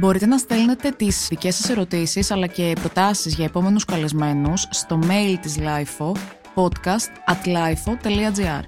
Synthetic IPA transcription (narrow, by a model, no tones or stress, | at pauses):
bo̞ɾit̪e̞nɐst̪elne̞t̪e̞t̪ispice̞sɐse̞ɾo̞t̪isisɐlɐce̞pɾo̞t̪ɐsizʝɐe̞po̞me̞nuskɐle̞zme̞nusːt̪o̞me̞ilt̪izlɐjfo | po̞t̪kɐst̪ɐt̪lɐjfo̞t̪e̞liɐd͡ziɐ̰ɾ